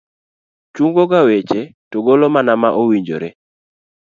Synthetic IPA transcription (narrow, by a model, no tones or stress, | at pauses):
t͡ʃuŋɡoɡawet͡ʃetoɡolomanamaʔowiɲd͡ʒo̰ɾe